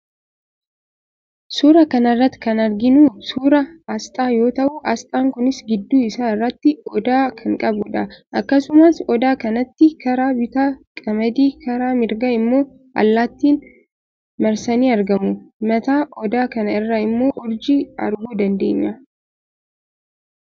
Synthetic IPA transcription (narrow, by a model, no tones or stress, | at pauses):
suːɾɐkɐnɐrːɐt̪ːkɐnɐɾɡɪnuːsuːɾɐɐst̪ʼaːjo̞ːt̪ɐʔuʔɐst̪ʼaːŋkʊnɪsɡɪd̪ːuːɪsaːɪrːɐt̪ːɪɔd̪aːkʰɐŋkʼɐbʊᶑɐʔɐkːɐsʊmaːsɔd̪aːkɐnɐt̪ːɪkɐɾaːbɪt̪aːkʼɐmɐd̪iːkɐɾaːmɪɾɡɐɪmːo̞ː | ʔɐ̰lːaːt̪ːiːn | mɐɾsɐniːɐɾɡɐmʊmɐt̪aːʔɔd̪aːkɐnɐɪrːɐɪmːo̞ːʔɔɾd͡ʒiːɐ̰ɾɡuːd̪ɐnd̪e̞̰ːɲːɐ